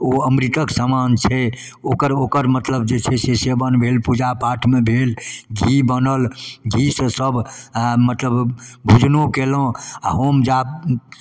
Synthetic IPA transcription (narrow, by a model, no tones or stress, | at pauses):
oəmɾit̪əksamant͡ʃʰɛ | okəɾokəɾmət̪ləb̚d͡ʒet͡ʃʰɛsesebənbʱelpud͡ʒapaʈʰmebʱelɡʱibənəlɡʱisəsəbmət̪ləbbʱud͡ʒnokelõa̰ɦomd͡ʒa